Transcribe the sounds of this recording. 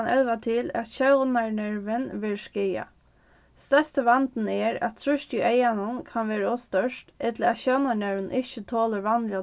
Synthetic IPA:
nʔɛ̰lʋat̪ʰɪlæ̰t̪ɕœwnaɳɛɹʋənʋɪlʂkɪja̰ | st̪œst̪əʋant̪n̩ɛɾæ̰t̪t̪ʰɾʊʃt̪uʔeɪjanʊnkʰanʋeːɾəɔst̪œʂtɛt̪ləæt̪ɕœwnaɳɛɹʋənʔɪɕət̪ʰoːləɹʋanlɪa

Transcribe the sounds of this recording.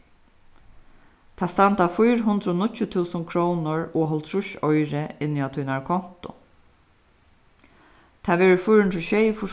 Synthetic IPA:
t̪ʰaːst̪ant̪afʊjɾɦʊnd̪ɾɔːnʊcːʊt̪ʰuːsʊnkʰɾownʊɹɔːɦɔlt̪ʰɾʊʃɔjɾɪɪnːiat̪ʰujnaɹkʰɔn̥t̪ʊ̰ | t̪ʰaːʋɛːɹʊfʊjɾhʊnt̪ɾʊʃejfʊʂ

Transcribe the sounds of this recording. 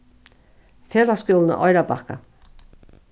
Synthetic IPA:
feːðaskʏːlnə̰ʔɔjɾabaka̰

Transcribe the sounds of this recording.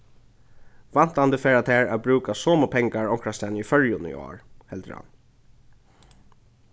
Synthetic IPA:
ʋan̥t̪and̪əfɛːɹat̪ʰæːɹæbɹʉːkasɔːmʊpʰɛŋkaɹɔŋkɹast̪ɛːnəifœɹjʊnḭɔ̰ːɹhɛlt̪ɾ̰ha̰n

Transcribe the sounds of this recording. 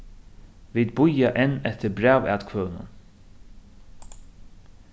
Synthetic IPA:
viːd̪̚bʊjaʔɛnɛt̪ʰəɾbɾæːvæ̰ːt̪kʰvœːnʊ̰n

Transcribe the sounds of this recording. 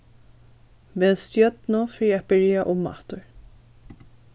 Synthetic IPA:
veːɛnst̪jœt̪nʊfɾiːab̥ɪɹjaʔʊmːa̰ht̪ʊɹ

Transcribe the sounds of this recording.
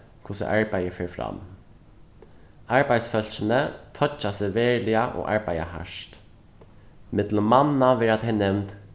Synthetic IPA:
kʰʊsə̰ʔaɹbæjəfeːɹfɾa̰m | aɹbaj̪sfœl̥t͡ʃənət̪ʰɔt͡ʃːasɛʋeːɹlɪaʔo̰ːʔa̰ɹbæɪja̰ɦæ̰ʂt̪ | mɪt̪ləmanːaʋɛːɾat̪hɛjnɛʋnt̪

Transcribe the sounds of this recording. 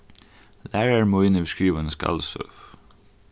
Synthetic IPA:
læːɹəɹmoːɪnəbəskɹiːʋənəskɑ̰lsœ̰f

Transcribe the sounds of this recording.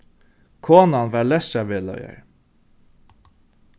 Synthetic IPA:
kʰoːnanʋæːlɛst̪aʋeːlœ̰ʏə̰ɹ

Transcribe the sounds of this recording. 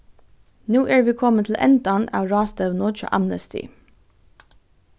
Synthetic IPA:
nuːʔæːɹʋiːkʰɔmət̪ʰl̩ʔɛ̰nd̪ɑnɑ̰ːʋɹɑːst̪əʋnɔt͡ʃɑ̰ʔæmnəst̪ɪ̰

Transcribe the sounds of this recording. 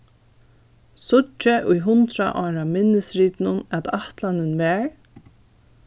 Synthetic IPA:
sʊt͡ʃːɪʔʊjɦʊnt̪ɾa̰ʔɔːɾamɪnːɪsɾiːt̪nʊnæt̪aht̪lanɪnvɛːɹ

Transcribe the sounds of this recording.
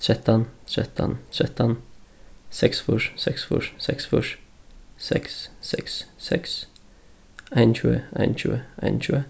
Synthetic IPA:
t̪ʰɾɛt̪ɑnt̪ʰɾɛt̪ʰːɑ̰nt̪ʰɾɛt̪ɑn | sɛksfʊʂsɛksfʊ̰ʂsɛksfʊʂ | sɛkssɛksːɛks | æɪnçʉːəæ̰ɪnt͡ʃʉ̰ːəæ̰ɪnʃʉːə

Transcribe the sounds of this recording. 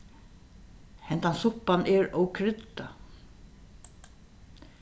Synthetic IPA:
hɛnt̪ansʊhpːanʔɛɹɔwkʰɾɪt̪ːa

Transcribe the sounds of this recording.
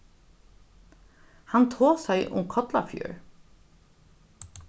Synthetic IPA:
hɑnt̪ʰoːsæɪʔʊ̰mkʰɔt̪la̰fjṵːɹ

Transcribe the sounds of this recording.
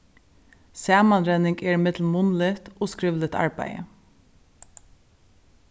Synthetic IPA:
sæːmɑnɾɛnɪŋɡeːɹɪmɪd̪l̩mʊnlɪt̪ʔoːskɹɪʋlɪt̪ʰɑ̰ɹbæ̰ɪə̰

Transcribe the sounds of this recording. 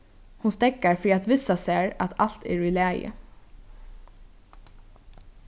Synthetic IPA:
hʊnst̪ɛkaɹfɾiːat̪ʋɪsasæːɹɑt̪ʰɑl̥t̪ḛːɹiːlæːjə̰

